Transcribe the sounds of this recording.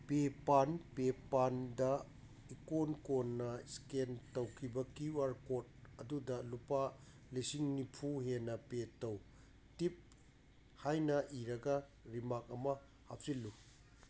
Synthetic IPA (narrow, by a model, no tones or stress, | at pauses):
pepanpepandɐ | ikonkonːɐskentowkʰibɐkiuaɾkot̚ɐdudɐlupa | lisiŋnipʰuɦenɐpetow | tip̚ | hajnɐʔiɾɐɡɐ | ɾimak̚ɐmɐ | ha̰p̚silːu